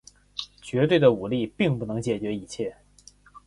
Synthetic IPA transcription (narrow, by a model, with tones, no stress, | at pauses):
t͡ɕɥɛ˧˥t̪we˥˩ɪd̪ə˩u˨˩li˥˧pi˥˧ŋpu˥˩nɤ˧˥ŋt͡ɕjɛ˨˩t͡ɕɥɛ˧˥i˧˩t͡ɕʰjɛ˥˩